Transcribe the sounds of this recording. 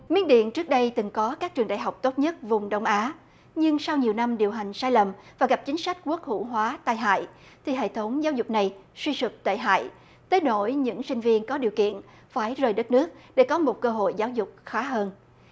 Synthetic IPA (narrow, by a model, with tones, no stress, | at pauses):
mḭ˧˥ənɗḭ˧˨ənt͡ɕɨ˦˥ək̚ɗə˧jt̪ɨ˨˩ŋkɔ˨˦kaː˦˥k̚t͡ɕɨ˨˩əŋɗa̰ː˧˨jɦa˨˩wk͡p̚t̪o˦˥t̚ɲə˦˥t̚vʊ˨˩ŋ͡mɗə˧wŋ͡mʔaː˨˦ | ɲɨ˧ŋsa˧wɲi˨˩əwna˧mɗi˨˩əwɦa˨˩jŋ̟saː˧jlə˨˩mvaː˨˩ɣa˨˩p̚t͡ɕï˨˦ŋ̟sa˦˥jk̟̚ku˦˥ək̚hṵ˧˩ɦwaː˨˦t̪aː˧jɦa̰ː˧˨j | t̪ʰi˨˩ɦḛ˧˨t̪ʰə˨˦wŋ͡mzaː˨˦wzʊ˨˩k͡p̚na˨˩jswi˧sɨ˨˩t̪a̰ː˧˨jɦa̰ː˧˨j | t̪eː˨˦no˧˩jɲɨ̰˧˥ŋsï˧ŋ̟vi˧ənkɔ˨˦ɗi˨˩əwkḭ˧˨ən | faː˧˩jzəː˨˩jɗə˦˥t̚nɨ˦˥ək̚ɗe˧˩kɔ˨˦mo˨˩t̚kəː˧ɦo̰˧˨jzaː˨˦wzʊ˨˩k͡p̚xaː˨˦ɦəː˧n